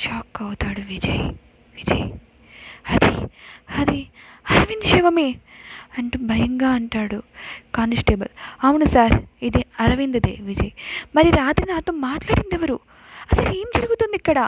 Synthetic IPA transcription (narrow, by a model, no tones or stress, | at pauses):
ʃaːkːɐwut̪aːɽuʋid͡ʒɐj | ʋid͡ʒɐ̰j | ɐd̪iɐd̪iɐɾɐʋind̪iʃɛːʋɐmeː | ɐɳʈubʱɐjɐŋɡaːɐɳʈaːɽukaːnsʈeːbɐlɐmunusaːɾid̪iɐɾɐʋind̪ɐd̪ḛːʋid͡ʒɐjmɐɾiɾaːt̪ɾinaːt̪oːmaːʈlaːɽind̪ɛʋɐɾu | ɐsɐle̞ːmd͡ʒɐɾuɡut̪und̪ikːɐɽɐ